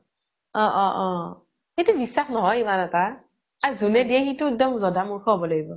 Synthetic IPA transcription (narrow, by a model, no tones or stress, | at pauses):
ɔ̃ʔɔ̃ʔɔ̃ | xetubisːaxnɔɦɔjimanɛta | azunɛdiɛxitʊɛk̚dɔmzɔdamuɹkʰɔɦɔbɔlaɡibɔ